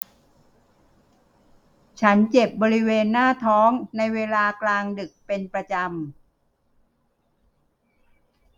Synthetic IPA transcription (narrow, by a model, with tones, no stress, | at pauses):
t͡ɕʰa˦˥nt͡ɕe˨˩p̚bɔː˧ɾi˦˥weː˧nːaː˥˩t̪ʰɔː˦˥ŋna˧jweː˧laː˧klaː˧ŋdɯ˨˩k̚pe˧npɾa˧t͡ɕa˧m